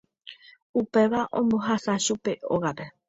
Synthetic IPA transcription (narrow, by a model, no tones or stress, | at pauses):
upe̞ʋaʔõ̞mbo̞ɦasaʃupe̞oɣaɾe̞